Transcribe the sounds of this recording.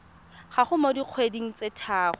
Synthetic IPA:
χaχʊmodiq͡χʰwediŋ̩t͡sɪtʰaːχɔ

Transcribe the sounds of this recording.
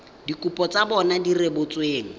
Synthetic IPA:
dikupʼɔt͡sabɔnadirebʊt͡sʼweːŋ̩

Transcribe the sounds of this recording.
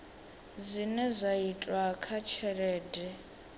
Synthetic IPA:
zʷinɛzʷaitʼwakʰat͡ʃʰɛɺɛːdɛ

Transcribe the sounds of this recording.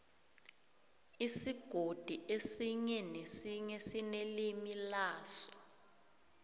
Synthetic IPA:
isiɡ̥ʱod̥ʱiʔesiɲɛnesiɲɛsinelimilaːsɔ̥

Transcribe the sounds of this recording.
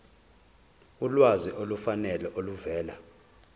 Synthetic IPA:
ulwaziʔolufanɛlɛʔoluvɛːla

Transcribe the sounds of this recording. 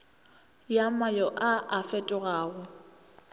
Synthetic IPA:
jamajɔʔaʔafɛtʼʊɣaːɣʊ

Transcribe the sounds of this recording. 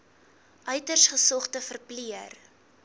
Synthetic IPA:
ʔœɥtərsχəsɔχtəfərpliər

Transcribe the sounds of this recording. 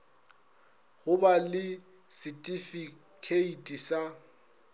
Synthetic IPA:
ɣʊbalɪ | sɪtʼifi | kʰeitʼisa

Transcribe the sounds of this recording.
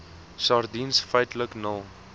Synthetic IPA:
sɑːrdinsfəjtləknəlˠ

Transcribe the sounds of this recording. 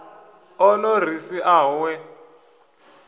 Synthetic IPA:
ɔnɔr̤isiʔawɛ

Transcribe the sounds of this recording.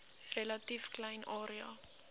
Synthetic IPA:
relɐtifklɛjnʔɑːɾiɑ̰

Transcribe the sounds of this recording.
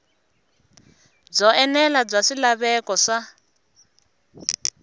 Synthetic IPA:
b͡ʐɔɛnɛlab͡ʐaʂilaβɛkɔʂa

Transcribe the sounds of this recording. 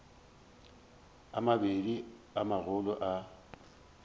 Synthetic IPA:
amabediamaɣʊlʊʔa

